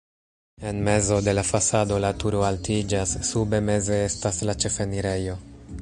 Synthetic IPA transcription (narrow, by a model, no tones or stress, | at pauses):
e̞nme̞zo̞de̞lafasado̞latuɾo̞altid͡ʒasːube̞me̞ze̞e̞staslat͡ʃe̞fe̞niɾe̞jo̞